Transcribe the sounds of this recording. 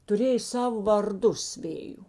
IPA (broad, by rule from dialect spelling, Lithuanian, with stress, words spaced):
tʊˈrʲeːjɛ ˈsɑːʋoː ʋɐrˈdʊs ˈʋʲeːjʊ